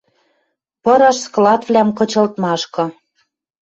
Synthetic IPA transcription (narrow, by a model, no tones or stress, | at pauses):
pɤ̆ɾɑʃsklɑt̪vlʲæmkɤ̆t͡ɕɤ̆lt̪mɑʃkɤ̆